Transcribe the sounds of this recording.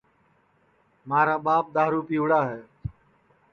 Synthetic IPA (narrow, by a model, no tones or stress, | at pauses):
maːɾaːɓaːp̚ɗ̪aːɾuːpiːʋɽaːɦɛː